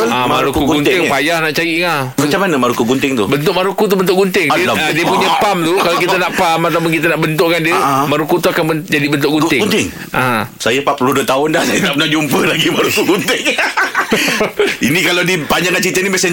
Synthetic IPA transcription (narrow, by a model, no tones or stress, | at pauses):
amaɾukuɡɡuɪŋpajahnaʔt͡ʃajiʔŋa | mat͡ʃamanəmaɾukuɡunt̪ɪŋt̪ṵbənt̪ʊʔmaɾukut̪̬ubənt̪ʊʔɡunt̪ɪŋiəadiəpuɲapamlukalakit̪ənaʔpamat̪ap̬ʊnkit̪ənaʔbənt̪ʊʔkandiəmaɾukut̪uakanbənd͡ʒadibənt̪ʊʔɡunɪnt̪ɪŋ | ʔasajəpapəluduət̪aʊndahsajət̪apənad͡ʒumpəlaɡimaɾukuɡunt̪ɪŋ | inĩkalawdipaɲd͡ʒaŋkant͡ʃit̪ənimasa